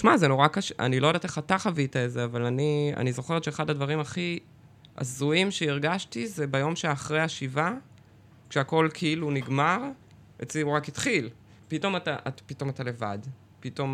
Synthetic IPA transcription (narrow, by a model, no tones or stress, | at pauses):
ʃmazenoʁakaʃeʔa̰nilo̞jodate̞χataχavitaezeavalania̰nizo̞χeʁet̪ʃeχadadvaʁimaχi | ʔa̰zuimʃeiʁɡaʃtizebajo̞mʃeaχʁejaʃiva | kʃeako̞lkʰeiluniɡmaʁ | et͡siuʁakit̪χil | pito̞mataʔatapito̞matale̞va̰d | pito̞m